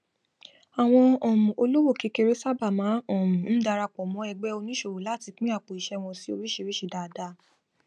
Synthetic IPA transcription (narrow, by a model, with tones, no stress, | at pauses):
a˨w̃ɔ̃˧ɔ̃˨mũ˨o˧lo˦wo˦˨ke˧ke˧ɾe˦sa˦ba˦˨mã˨˦ɔ̃˦˨mũ˨˦n̩˦da˧ɾa˧k͡pɔ˨mɔ̃˨˦ɛ˧ɡ͡bɛ˦o˧nĩ˦ʃo˧˨wo˨la˦˨ti˧k͡pĩ˦a˦˨k͡po˨i˨ʃɛ˦˧w̃ɔ̃˧si˨˦o˧ɾi˦ʃe˧ɾi˦ʃi˧˨da˨da˧˦